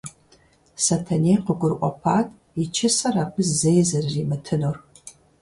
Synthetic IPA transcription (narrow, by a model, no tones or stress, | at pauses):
sɐtʰɐneːqəɡʷʊrʔʷɔpʰaːtʰʼ | it͡ʃʰɪsɐraːpɨzzejzɐrːiːmɨtʰɨnur